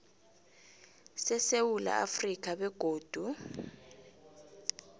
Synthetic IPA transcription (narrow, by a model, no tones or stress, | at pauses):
sɛsewula̰a̰frik̬ʼaɓɛɡ̥ʱoːd̥ʱu